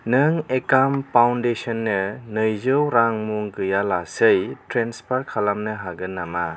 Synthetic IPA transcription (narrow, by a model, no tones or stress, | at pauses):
nɯŋekampawndesɔnːɯnɯjzɯwɾaŋmuŋɡɯjalasɯjtɾenspʰaɾkʰalamnɯɦaɡɯnːama